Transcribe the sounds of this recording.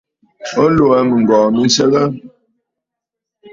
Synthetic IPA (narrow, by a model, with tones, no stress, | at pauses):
ɔ˦lo˨ɛ˨mə˨ŋ̩˨ɡɔː˨mi˦n̩˦sɛ˦ɣə˦